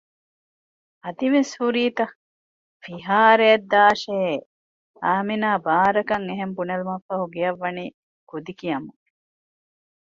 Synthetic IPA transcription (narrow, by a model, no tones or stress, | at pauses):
ɐt̪iʋeshuɾiːt̪ɐ | fiɦaːɾejɐd̪ːaːʃee | aːminaːbaːɾɐkɐŋeɦembunɐlumɐfːɐɦuɡejɐʋːɐniː | kud̪ikijɐmu